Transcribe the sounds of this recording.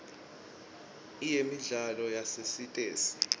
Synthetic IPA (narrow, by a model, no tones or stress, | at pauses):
ijemiɮalɔjasesitʼeːsi̥